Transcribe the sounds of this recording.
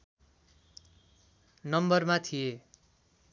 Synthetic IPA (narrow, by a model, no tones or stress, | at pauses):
nʌmbʌrmat̪ʰie